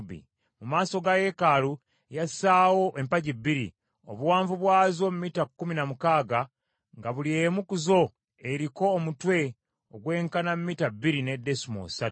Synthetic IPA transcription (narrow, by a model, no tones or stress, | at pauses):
bḭ | mumaːso̞ɡaje̞kalu | jasaːwo̞ʔempaɟibiɾḭ | o̰βuwaːɱvuβwaːzo̞mumiːtakːuminamukaːɡa | ŋɡaβuliemukuzo̞ | eɾiko̞ːmutwe̞ | oɡwe̞ːŋkanamumiːtabːiɾine̞dːesumo̰satu